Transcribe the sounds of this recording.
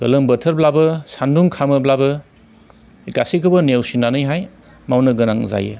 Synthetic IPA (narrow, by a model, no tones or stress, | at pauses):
ɡ̥ɐlɯmbɐtʰəɾblabɐsanduŋkʰamɯblabɐ | ikasikʰɯbɐnewsinanɯjɦaj | mawnɐɡɯnaŋza̰jɯ̰